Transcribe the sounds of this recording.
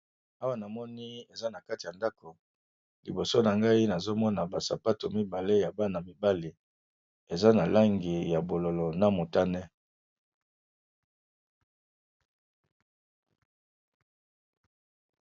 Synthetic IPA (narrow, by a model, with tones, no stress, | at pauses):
a˦wa˦˨na˨mɔ˦ni˦e˨za˦na˨ka˦ti˨ja˨nda˦ko˨ | lḭ˨bo˨so˦na˨ŋɡa˦i˦na˨zo˦mɔ˦na˨ba˨sa̰˨pa˦to˨mi˦ba˨le˦ja˨ba˦na˨mi˨ba˦li˨ | e˨za˦na˨la˦ŋɡi˨ja˨bo˨lo˨lo˨na˦mo˨ta˦nɛ˦